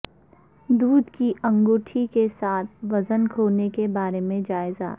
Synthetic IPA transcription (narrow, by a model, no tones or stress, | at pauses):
d̪uːd̪kiʔɐ̃ŋɡoːʈʰikesaːt̪̚ʰʋɐzənkʰoːnekebaːɾemẽd͡ʒaːɪza̰